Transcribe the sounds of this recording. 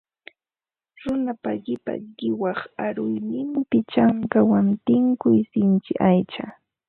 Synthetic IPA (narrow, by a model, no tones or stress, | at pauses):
ɾʊnapaɢɪpa̰ɢɪwɑχaɾʊjnɪmpɪt͡ʃaŋkawant̪ɪŋkʊjsɪnt͡ʃɪʔajt͡ʃa